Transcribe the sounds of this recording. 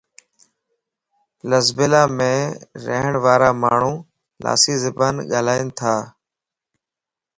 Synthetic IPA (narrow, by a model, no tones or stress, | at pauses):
ləzbɪlaːmẽːɾə̰ɦəɳʋaːɾaːmaːɳ̤ũː | la̰ːsiːzɪbaːnɠaːlaːint̪ʰaː